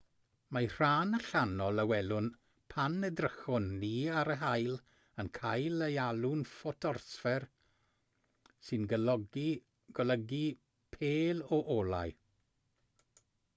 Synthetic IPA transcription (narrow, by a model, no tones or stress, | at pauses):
majr̥aːnəɬanɔlˠəwɛlʊn | pʰanədrəxɔnːiːaɾəɦajlˠ | ənkʰajləjalʊnfɔtʰɔrsfɛr | sɨnɡəlɔɡi | ɡ̥ɔləɡi | pʰeːlɔʔɔlˠa̰j